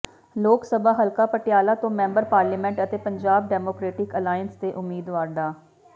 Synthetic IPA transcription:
loːksəbʱaːɦəlkaːpəʈjaːlaːt̪õːmɛ̃ːmbəɾpaːɾliːmɛ̃ɳʈət̪eːpəɲd͡ʒaːb̚ɖɛːmoːkɾeːʈɪkəlaːjənst̪eːʔʊmːiːd̪ʋaːɾɖaː

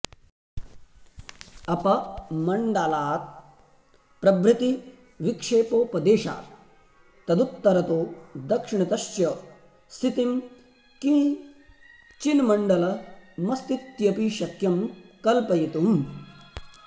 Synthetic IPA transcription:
ɐpɐmɐɳɖalaːt̪̚ | pɾɐbɾit̪i | ʋikʂeːpoːpɐd̪eːʃa̰ː | t̪ɐd̪ut̪ːɐɾɐt̪oːd̪ɐkʂiɳɐt̪ɐʃjɐ | st̪ʰit̪im | kĩ | t͡ʃinmɐɳɖɐlɐmɐst̪it̪jɐpiʃɐkjɐmkɐlpɐjit̪um

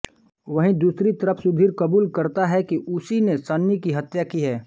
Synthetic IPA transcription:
ʋɐɦĩd̪uːsɾit̪ɐɾəpʰsʊbʱiːɾkɐbuːlkɐɾt̪aɦɛkiʔʊsinesanːikiɦɐt̪jakiɦɛː

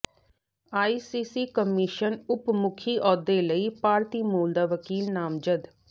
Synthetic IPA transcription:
aːiːsiːsiːkəmɪʃənʊpmʊkʰiːʔɔːd̪eːləiːpaːɾt̪iːmuːld̪aːʋəkiːlnaːmd͡ʒəd̪

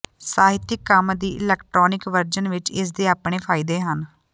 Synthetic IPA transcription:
saːɦɪt̪ɪkːəmd̪iːʔɪ̰lɛːkʈɾoːnɪkʋəɾd͡ʒənʋɪt͡ʃɪs̬d̪eːaːpɳeːpʰaːɪd̪eːɦən

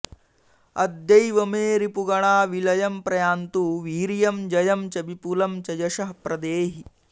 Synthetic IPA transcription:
ɐd̪jɐjʋɐmeːɾipuɡɐɳaːʋilɐjɐmpɾɐjaːnt̪uːʋiːɾjɐmd͡ʒɐjɐmt͡ʃɐbipulɐmt͡ʃɐjɐʃɐɦpɾɐd̪eːɦi

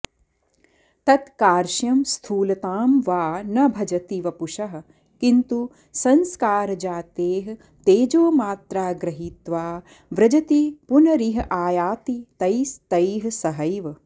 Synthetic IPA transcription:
t̪ɐt̪kaːɾʃjɐmst̪ʰuːlɐt̪aːmʋaːnɐbʱɐd͡ʒɐt̪iʋɐpuʃɐɦɐ̆ | kint̪u | sɐnskaːɾɐd͡ʒaːt̪eːɦɐ | t̪eːd͡ʒoːmaːt̪ɾaːɡɾɐɦit̪ʋaː | ʋɾɐd͡ʒɐt̪ipunɐɾiɦɐʔaːjaːt̪it̪ɐjst̪ɐjɦɐsɐɦɐjʋɐ

